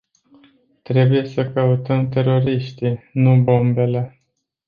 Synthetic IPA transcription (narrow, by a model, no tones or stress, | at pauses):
t̪ɾe̞buje̞səkəut̪əmt̪e̞ɾo̞ɾiʃt̪inubo̞mbe̞le̞